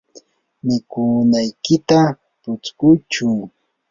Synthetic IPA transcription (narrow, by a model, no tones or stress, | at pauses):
mɪkʊnajkɪt̪a | pʊt͡skʊt͡ʃʊŋ